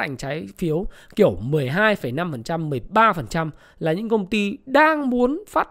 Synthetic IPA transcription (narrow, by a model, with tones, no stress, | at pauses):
a̰˧˨jŋ̟t͡ɕaː˨˦jfi˨˦əwki˧˩əwmɨ˨˩əjɦaː˧jfə˧˩jna˧mfə˨˩nt͡ɕa˧mːɨ˨˩ə˩jɓaː˧fə˨˩nt͡ɕa˧m | laː˨˩ɲɨ̰˧˥ŋkə˧wŋ͡mt̪i˧ɗaː˧ŋmu˨˦ənfaː˦˥t̚